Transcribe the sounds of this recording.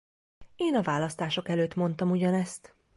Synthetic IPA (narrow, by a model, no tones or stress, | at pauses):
eːnɒvaːlɒst̪aːʃo̞kɛløːt̪mo̞n̪t̪ɒmuɟɒnɛst̪